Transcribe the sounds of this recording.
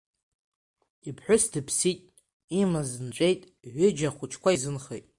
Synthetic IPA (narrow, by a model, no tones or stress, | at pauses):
ipʰħʷᶣʊsdɨpʰsitʼ | imazɨnʈ͡ʂʷʼejtʼ | ʕʷʏd͡ʒaχʷʊt͡ʃʰkʷʰaizɨnχḛjtʼ